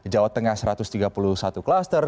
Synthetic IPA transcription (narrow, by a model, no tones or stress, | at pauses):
d͡ʒawat̪ːəŋahsəɾat̪ʊst̪iɡapuluhsat̪uklast̪ər